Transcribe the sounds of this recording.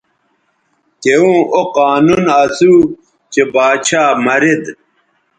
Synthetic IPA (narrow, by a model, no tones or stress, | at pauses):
keũːoqaːnunɐzuː | t͡ɕebaːt͡ɕʰaːmɐɾed̪